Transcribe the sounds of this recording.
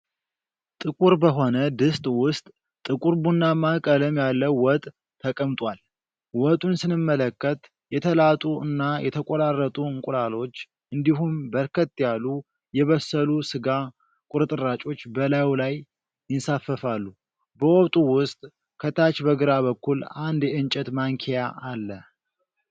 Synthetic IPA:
t̪ʼɨkʼuɾbəɦo̞nəd̪ɨst̪ʼwʊst̪ʼ | t̪ʼɨkʼuɾbunːamakʼələmjalːəwwɔt̪ʼ | t̪ʰːəkʼəmt̪ʼwal | wɔt̪ʼunsɨnɨmːələkːət̪ | jɛt̪ʰəlat̪ʼuɨnːajʔɛt̪ʰəkʼoɾarːət̪ʼuɨŋkʼulalo̞t͡ʃː | ʔɨnd̪iɦumbəɾkʰət̪ːjalu | jɛβəsːəlusɨɡa | kʼʊɾɨt̪ʼɨɾat͡ʃʼo̞t͡ʃːbəlawlaj | ɪnsafːəfalːu | bəwɔβt̪ʼuwʊst̪ʼ | kʰət̪ʰat͡ʃbəɡɨɾaβəkːuland̪ɛɨnt͡ʃʼɛt̪maŋkʰejaʔalːə

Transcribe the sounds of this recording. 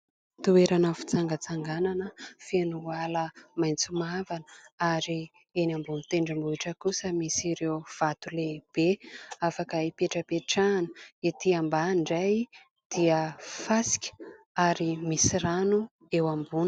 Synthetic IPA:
t̪ueɾanəfi̥t͡saŋɡət͡saŋɡananəfenualəmajnt͡sumavanəaɾi | enambunit̪eɳɖ͡ʐambuiʈ͡ʂəkusəmisiɾewv̥at̪uleb̥eafakəipeʈ͡ʂəpeʈ͡ʂanə̥it̪iambaɳɖ͡ʐaj | d̪̥iəfasi̥kʲə̥ | aɾimisiɾanu | ewambun

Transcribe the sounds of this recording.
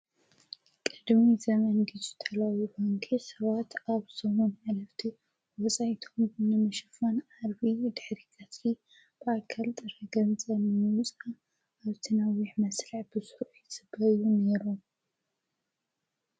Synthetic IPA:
kʼɨd̪mizɐmɐnɡizɨt̪ʰɐlajufoŋkʰisɐβat̪aβsomunʕalɐft̪ʰi | wɔsʼajt̪ʰo̞mnɨmɨʃɨfonʕaɾβid̪ɨħɾikʰasi | b̥ɨʔakʰːɐlt̪ʼɨɾɐɡɐnt͡sʼɐnɨmɨt͡sʼaː | βt̪ʰɨnawiħmɐsliʕbɨsuɾɪsɨbɐjuneɾu

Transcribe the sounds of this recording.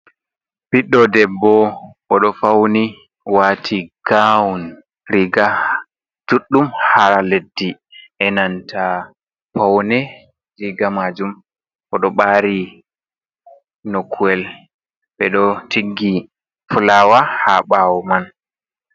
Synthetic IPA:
biɗːɔdɛbːɔʔɔɗɔfawni | watʰiɡ̥awun | ɾiɡa | d͡ʒuɗːumhaɾaledːi | ʔɛnantʰa | pawnɛ | d͡ʒiɡamad͡ʒum | ʔɔɗɔɓaɾi | nokʰuɛl | ɓɛɗɔtiɡːi | fulawahaɓawɔman

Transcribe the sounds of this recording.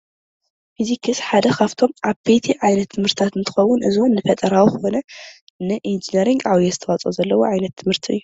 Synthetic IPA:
fizikʰɨsħad̪ɐkʰaft̪ʰo̞mʔaβbet̪ʰiʕajnɐt̪ʰːɨmhɨɾt̪ʰt̪ʰat̪ɨnt̪ʰɨ̥xɐwːʊnʔɨ̰zonːɨfɐt̪ʼɐɾawuxɨkonɐ | nɨʔind͡ʒinɐɾiŋɡawjɛzɨt̪ʰɐwat͡sʼozɐlːɐwoʕajnɐt̪ʰːɨmhɨɾt̪ʰiɨ̰jːu

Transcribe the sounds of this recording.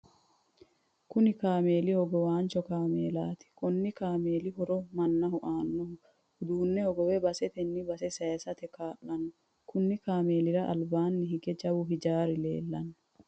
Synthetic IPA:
kʊnɪkaːme̞ːlɪhɔɡɔwaːnt͡ʃɔkaːmeːlaːt̪ɪ̥kɔnːɪkaːmeːlɪɦɔɾɔmɐnːɐhʊʔaːnːɔhʊ | hʊd̪uːnːɛhɔɡɔwɛbɐsɛt̪ɛnːɪbɐsɛsɐsɐt̪ɛkaːʔɐnɔ | kʊnːɪkaːme̞ːlɪɾɐʔɐ̰lbaːnːɪɦɪɡɛd͡ʒɐwʊɦɪd͡ʒaːɾɪle̞̰ːlːɐnːɔ

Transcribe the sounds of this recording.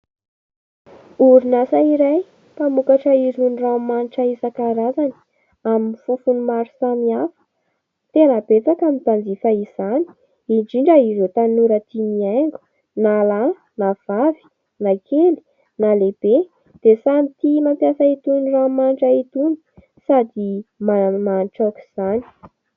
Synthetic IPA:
uɾunasaiɾaj | pamukaʈ͡ʂəiɾuniramaniʈ͡ʂaisakaɾazani̥ | aminifufunumaɾu̥samiafə̥ | t̪enəbet͡sakamit̪and͡zifaiz̥ani̥ | iɳɖ͡ʐiɳɖ͡ʐəiɾot̪anuɾət̪imiaŋɡu̥ | nala | nav̥avi̥ | nakʰeli̥ | naleb̥e | d̪̥esamit̪imampjasəit̪uniramanʈ͡ʂait̪uni̥ | sad̪imamanʈ͡ʂaku̥z̥ani̥

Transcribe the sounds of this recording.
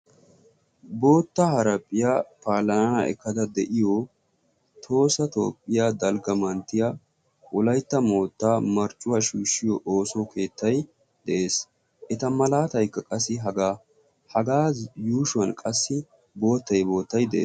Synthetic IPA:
bo̞ːt̪ːɐhɐɾɐpʼːɪjaːpaːlɐnɐnɐ̰ɛ̰kːɐd̪ɐd̪ɛʔɪjɔ | t̪ʰo̞ːsɐt̪o̞̰ːpʼːɪjad̪ɐlɡɐmɐnt̪ːɪja | ʔʊlɐjt̪ːɐmo̞ːt̪ːaːmɐɾt͡ʃʼʊwaʃuːʃːɪjɔʔoːsokʰe̞ːt̪ːɐj | d̪̥ɛʔe̞ːs | ʔɛt̪ɐmɐlaːt̪ɐjkːɐkʼɐsːɪɦɐɡaː | hɐɡaːjuːʃʊɐnkʼɐsːɪ | bo̞ːt̪ːɐjbo̞ːt̪ːɐjd̪ɛʔeː

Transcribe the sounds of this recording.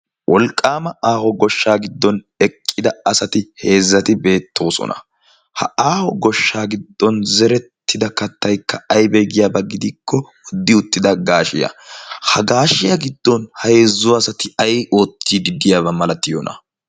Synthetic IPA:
wʔɔlkʼːaːmɐʔaːhɔɡɔʃːaːɡɪd̪ːɔn | ɛkʼːɪd̪ɐɐsɐt̪ɪhe̞ːzːɐt̪ɪbe̞ːt̪ʰːo̞ːsɔ̰nɐ̰ | hɐ̰aːhɔɡɔʃːaːɡɪd̪ːɔnzɛɾɛt̪ːɪd̪ɐkɐt̪ːɐjkːɐɐjbɛɡɪjaːbɐɡɪd̪ɪkːɔwɔd̪ːɪʊt̪ːɪd̪ɐɡaːʃɪjɐ̰hɐɡaːʃɪjɐɡɪd̪ːɔnhɐheːzːʊwːsɐt̪ɪɐjo̞ːt̪ːid̪ɪd̪ɪjaːβɐmɐlɐt̪ːɪjonʔɐ̰

